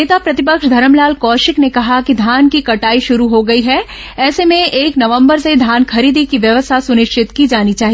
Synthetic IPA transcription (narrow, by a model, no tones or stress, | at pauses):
eːt̪apɾɐt̪ɪpəkʃd̪ʱɐɾəmlaːlkɔːʃɪknekɐɦakid̪ʱaːnkikɐʈaːiʃʊɾuɦoɡɐiɦɛ | ɛːsemẽeːknɐʋə̃mbəɾsed̪ʱjaːnkʰɐɾiːd̪ʱikiʋjɐʋəst̪ʰasʊnɪʃt͡ʃɪt̪kid͡ʒaːnit͡ʃaːɦi